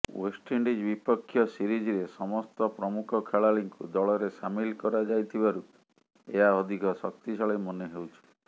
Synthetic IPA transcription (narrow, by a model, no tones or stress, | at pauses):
wesʈeɳɖid͡ʒbipɔkʰːjɔsiɾid͡ʒiɾesɔmɔst̪ɔpɾɔmukʰɔkʰeɭaɭiŋkṵd̪ɔɭɔɾesamilkɔɾad͡ʒajt̪ʰibaɾu | eɦaɔd̪ʱikɔsɔkt̪isɔɭejmɔneɦewt͡ʃʰi̥